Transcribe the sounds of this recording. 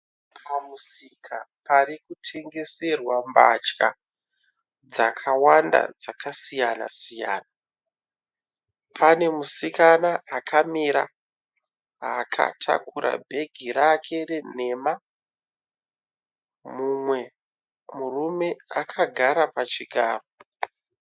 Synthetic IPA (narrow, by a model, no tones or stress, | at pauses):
pʰamusikʰaparikutʰe̞ŋɡe̞se̞rwamba̰t͡ʃka | d͡zakʰawanda̰d͡zakasijana̰sija̰ːna | pʰane̞musikanaʔakʰamiɾa̰ | ɦakʰa̰tʰa̰kuɾʔa̰bʱe̞ɡʱiɾakʰe̞re̞ne̞ma | mumwe̞ | murume̞akʰaɡʱaɾapat͡ʃiɡʱaːro